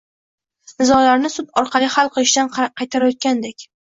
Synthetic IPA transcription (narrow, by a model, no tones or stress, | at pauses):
nɪzɒlaɾnɪsʊt̪ɒɾqʰɑlihalˠqʰɨlˠɪʃd̪anqʰɑjt̪ʰaɾajɒt̪̚kʲand̪ekʲ